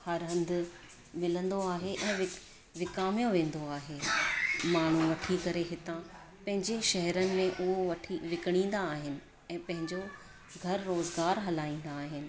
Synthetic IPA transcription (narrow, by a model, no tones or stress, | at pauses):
hɐɾɦɐ̃nd̪ | mɪlə̃nd̪oaːɦeʔɛ̃ːʋɪ | ʋɪkaːmijõʋẽːn̆d̪oaːɦeːmaːɳ̤ũʋɐʈʰikɐɾeɦɪt̪ã | pɐ̃ɦɪ̃ɲd͡ʑeʃɐɦɛɾənɪ̆mẽʔʊɦoʋɐʈʰiʋɪkɪɽ̃ĩːn̆d̪aːɦɪnɪ̆ | ɛ̃ːpɐ̃ɦɪ̃ɲd͡ʑo | ɡʱɐɾːoːzɡaːɾɦɐlaːĩːn̆d̪aːɦɪnɪ̆